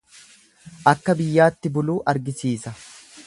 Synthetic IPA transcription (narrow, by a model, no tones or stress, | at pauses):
ʔɐkːɐbɪjːaːt̪ːɪbʊluːʔɐɾɡɪsiːsɐ